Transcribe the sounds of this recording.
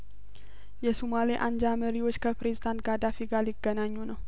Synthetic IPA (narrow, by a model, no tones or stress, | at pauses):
jɛsumaliʔand͡ʒaməɾiwo̞t͡ʃːkʰəpɾezid̪ant̪ɡad̪afiɡaljɪɡ̥ːənaɲːunəw